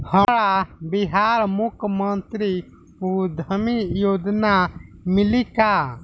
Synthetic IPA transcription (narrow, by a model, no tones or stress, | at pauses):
həɽabiɦaːɾmʊkʰmənt̪ɾi | ud̪ʱəmijoːd̪namɪlika